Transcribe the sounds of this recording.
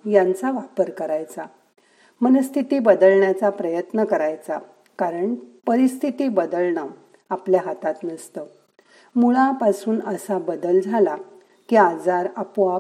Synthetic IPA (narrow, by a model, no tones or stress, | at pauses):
jant͡saʋapəɾkəɾajt͡sa | mənəst̪ʰit̪iːbəd̪əlɳjat͡sapɾəjət̪nəkəɾajt͡sa | kaɾəɳpəɾist̪ʰit̪iːbəd̪əlɳa | apljaɦat̪at̪nəst̪ə | muɭãpasuːnəsabəd̪əld͡zʱala | kiad͡zaɾapua